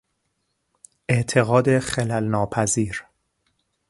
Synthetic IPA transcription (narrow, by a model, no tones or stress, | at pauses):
ʔeʔt̪ʰeɣɒːd̪e̞xelælnɒːpʰæziːɾ